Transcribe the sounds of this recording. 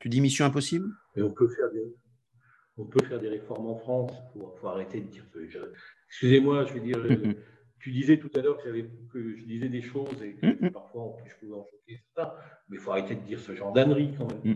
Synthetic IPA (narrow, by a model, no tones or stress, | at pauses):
t̪yd̪imisjɔ̃ɛ̃p̬ɔsibl | eɔ̃pøfɛʁd̪eʁefɔ | ɔ̃pøfɛʁd̪eʁefɔʁmɑ̃fχɑ̃sfofoaʁet̪ed̪əd̪iʁsəʒɑɛkskʲyzemwaʒəved̪iʁø | t̪yd̪izɛt̪ut̪alœʁkəjavɛpkəʒəd̪izɛd̪eʃozekəpaʁfwaɑ̃pyspuvɛɑ̃ʃokesɛʁt̪ɛ̃mɛfoaʁet̪ed̪əd̪iʁsəʒɑ̃ʁd̪anʁikɑ̃mɛm